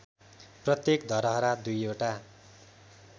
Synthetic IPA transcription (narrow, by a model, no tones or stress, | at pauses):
prʌt̪jekd̪ʱʌɾʌɦʌɾad̪ujoʈa